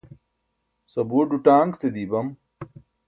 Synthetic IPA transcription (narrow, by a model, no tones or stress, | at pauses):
sɐbuːɖuʈaːŋkt͡sed̪ibɐm